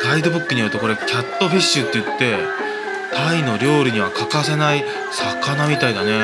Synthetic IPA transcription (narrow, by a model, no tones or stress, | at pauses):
ɾaid̪o̞bɯ̟kːɯ̟ɲ̟ijoɾɯ̟t̪e̞ko̞ɾe̞kʲʰat̪ːo̞ɸiɕːɨt̪ːe̞jɯ̟t̪ːe̞ | t̪ʰaino̞ɾʲo̞ːɾʲɯ̟ɲ̟iβ̞akakase̞nai | sakanamʲit̪aid̪ane̞